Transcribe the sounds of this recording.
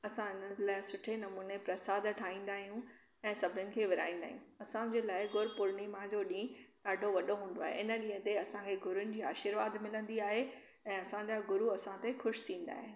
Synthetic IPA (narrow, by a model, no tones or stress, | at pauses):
ɐsãɪnəlaːɪsʊʈʰenɐmuːnepɾɐsaːd̪ʈʰaːĩːn̆d̪aːɦijũ | ɛ̃ːsɐbʱɪnɪʊnɪ̆kʰeːʋɪɾa̰ːĩːnd̪a̰ːɦijũɐsãd͡ʑeːlaːɪɡʊɾpʊɾɳimãd͡ʑoːɗĩː | aːɖʱoʋɐɗoɦũːn̆d̪oaːɦḛʔɪnə̆ɗĩɦə̃t̪eɐsãkʰeːɡʊɾʊnɪ̆d͡ʑiːaːʃɪɾʋaːd̪mɪlə̃nd̪iaːɦe | ɛ̃ːɐsãd͡ʑaɡʊɾuɐsãt̪exʊʃt̪ʰĩːn̆d̪a̰ːɦɪn